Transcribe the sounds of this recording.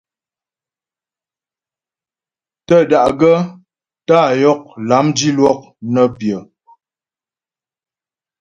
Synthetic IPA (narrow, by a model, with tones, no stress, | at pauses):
tə˦˨da˨ʔɡə˦ | ta˦˨jɔ˦k̚la˨˦mdi˦lwɔ˦k̚nə˦pjə˨